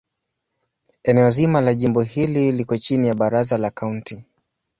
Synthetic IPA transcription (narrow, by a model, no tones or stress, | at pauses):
ɛnɛɔzimalaʄimbɔhililikɔt͡ʃinijaɓaɾazalakaunti